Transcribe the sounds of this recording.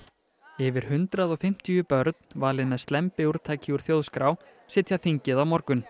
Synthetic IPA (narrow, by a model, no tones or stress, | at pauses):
ɪvɪɾ̥hʏnt̪ɾaðɔɣfɪm̥t̪ijʏpœɾt̪n̥vaːlɪðmɛðst̪lɛmpɪuɾ̥t̪ʰaːjcʰɪuɾ̥θjoːwðskɾaw | sɪːt̪ʰjaθiɲcɪðawmɔɾkʏn